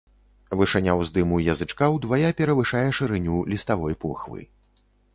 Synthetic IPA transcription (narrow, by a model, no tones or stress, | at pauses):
vɨʂɛnʲawzd̪ɨmujɐzɨt͡ʂkawd̪vajapʲɛɾɐvɨʂajɛʂɨɾɨnʲulʲist̪avɔjpɔxvɨ̰